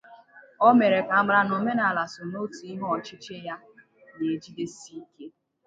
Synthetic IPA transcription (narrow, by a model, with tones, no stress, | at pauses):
ɔ˦me˨ɾe˨ka˨a˦ɡ͡bɾa˦nʊ˨me˦na˨la˨sʊ˨no˦ti˨i˦ɦʊ˦ɔ˨t͡ʃɪ˦t͡ʃe˦ja˦ | ne˨d͡ʒi˦de˦si˦ke˦